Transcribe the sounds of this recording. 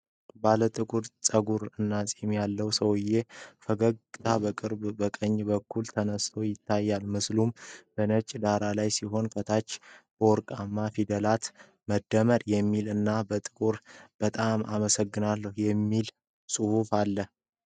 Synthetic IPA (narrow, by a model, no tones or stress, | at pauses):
balət̪ʼɨkʼuɾt͡sʼəɡuɾɨnːasʼimjalːəwsəwɨje̞fəɡəɡt̪ʰabəkʼɨɾbbəkʼəɲːbəkːult̪ʰənəst̪ʰo̞jɪt̪ʰːajːalmɨslumb̥ənət͡ʃʼd̪aɾalajsiɦo̞nfʰət̪ʰat͡ʃːb̥əɔɾkʼamːafid̪əlat̪ | məd̪ːəməɾjɛmːilɨnːabət̪ʼɨkʼuɾb̥ət̪ʼamaməsəɡːɨnalːəhjɛmːil | sʼuhufalːəh